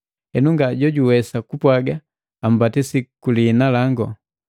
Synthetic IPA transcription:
hɛnuŋɡaɟɔɟuwɛsakupwaɡa | am̩batisikulinalaŋɡɔ

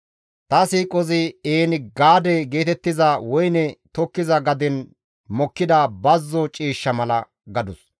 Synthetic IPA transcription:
t̪ɐsiːkʼɔzɪeːnɪɡaːd̪ɛɡe̞ːt̪ɛt̪ːɪzɐwɔjnɛt̪ɔkːɪzɐɡɐd̪ɛn | mɔkːɪd̪ɐbɐzːɔt͡ʃʼiːʃːɐmɐlɐ | ɡɐd̪ʊs

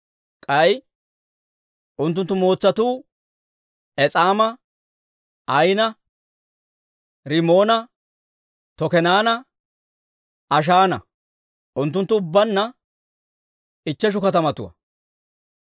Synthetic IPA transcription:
kʼɐj | ʔʊnt̪̬ːʊnt̪ːʊmo̞ːt͡sːɐt̪uː | ʔɛt͡sʼaːmɐ | ɐjnɐ | ɾɪmo̞ːnɐ | t̪ɔkɛnaːnɐ | ʔɐʃ̬aːnɐ̰ | ʔʊnt̪ːʊnt̪ːʊʊbːɐnːɐ | ɪt͡ʃːɛʃ̬ʊkɐt̪ɐmɐt̪ʊwɐ̰

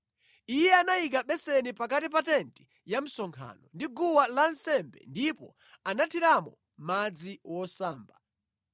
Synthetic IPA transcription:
ijɛanajik̬aɓɛsɛnipakatip̬atɛnti̥ | jam̩sɔŋkʰa̰ːnɔndiɡuwalansɛmbɛ̰ndipɔ̰ | anatʰiɾamɔ̰ | mad͡ziwɔsaːmba

